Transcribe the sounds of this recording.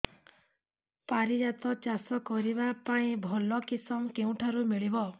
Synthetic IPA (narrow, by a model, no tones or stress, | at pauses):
paɾid͡ʒat̪ɔt͡ʃasɔkɔɾibapaĩbʱɔlɔkisɔmkeũʈʰaɾumiɭibɔ